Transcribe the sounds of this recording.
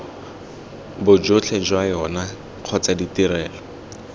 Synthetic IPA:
bʊd͡ʒʊt͡ɬʰɛd͡ʒwajɔna | q͡χʰɔt͡saditiɾɛːlɔ

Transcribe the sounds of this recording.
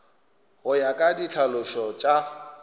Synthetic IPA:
ɣʊjakʼadit͡ɬʰalʊʃɔt͡ʃʼa

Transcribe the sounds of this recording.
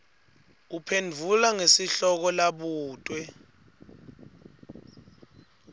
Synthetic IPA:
upʰendʱulaŋesiɬɔk̬ɔlaɓuːtʼwɛ

